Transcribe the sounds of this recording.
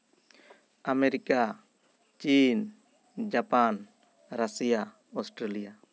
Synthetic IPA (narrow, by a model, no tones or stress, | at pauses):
ameɾika | t͡ʃin | d͡ʒapan | ɾasija | ɔsʈɾelija